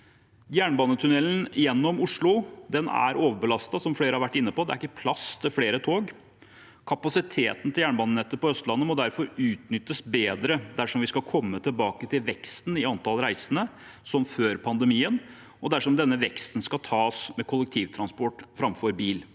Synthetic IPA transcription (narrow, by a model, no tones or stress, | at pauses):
jæːɳbɑːnːət̪ʰʉnɛlnɪjɛnːɔmʊʂɭʊd̪ɛnæ̰ɾoːʋəɾbəlɑst̪ɑsɔmfɽeːɾəhɑʋæʈːɪnːəpɔd̪ɛ̰æɾɪkːəpʰlɑst̪ʰɪlfɽeːɾət̪ʰoːɡ | kʰɑpɑsɪt̪ʰeːt̪n̩t̪ʰɪljæːɳbɑːnənɛt̪ːəpɔœst̪lɑnːəmɔd̪æɾfɔɾʉːt̪nʏt̪ːəsbeːd̪ɾəd̪æʂɔmʋɪskɑkʰɔmːət̪ʰɪlbɑːkət̪ʰɪlʋɛkst̪nɪɑnt̪ʰɑlɾæɪsənə | sɔmføːɾpʰɑnd̪əmiːən | ɔd̪æʂɔmd̪ɛnːəʋɛkst̪n̩skɑt̪ʰɑːsmɛkʰʊlːəkt̪ʰiːʋt̪ʰɾɑnspɔʈːfɾɑmfɔɾbiːl